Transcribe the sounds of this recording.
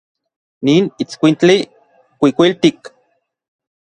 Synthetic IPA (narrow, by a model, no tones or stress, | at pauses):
niːnit͡skʷint͡ɬi | kʷikʷilt̪ik